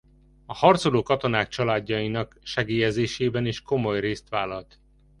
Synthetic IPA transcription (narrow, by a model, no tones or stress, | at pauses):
ɒhɒrt̪soloːkɒt̪o̞naːk̚t͡ʃɒlaːɟːɒjinɒkʃɛɡeːjɛzeːʃeːbɛniʃko̞mo̞jreːst̪ʋaːlɒlt̪